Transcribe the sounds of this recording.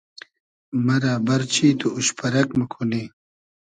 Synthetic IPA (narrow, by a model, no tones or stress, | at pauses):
mɐɾaːbɐɾt͡ɕʰiːt̪uuɕpɐɾɐkmɐkʰune